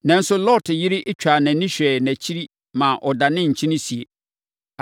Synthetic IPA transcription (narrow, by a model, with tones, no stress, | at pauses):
nã˦n̩˦sʊ˦lɔ˦tʰɪ˨jɪ˦ɾɪ˦ʔɪ˦t͡ɕᶣa˨nɛ̃˨˦nĩ˦ɕᶣɛ˨næ̃˨t͡ɕʰi˦ɾi˦ | mã˨ʔɔ˨da˨nɪ̃˦ɲ̩˨t͡ɕʰĩ˦nɪ̃˦si˨e˨